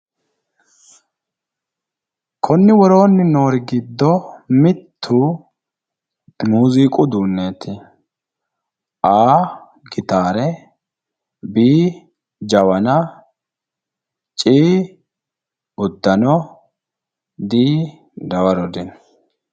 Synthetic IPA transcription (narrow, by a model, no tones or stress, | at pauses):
kʰɔnːɪwɔɾo̞ːnːɪno̞ːɾɪɡɪd̪ːɔmɪt̪ʰːu | muːziːkʼʊd̪uːnːeːt̪ɪ | aː | ɡɪt̪aːɾɛ | biː | d͡ʒɐwɐnɐ | t͡ʃʼiː | ʊd̪ːɐnɔ | d̪iː | d̪ɐwɐɾɔd̪ɪn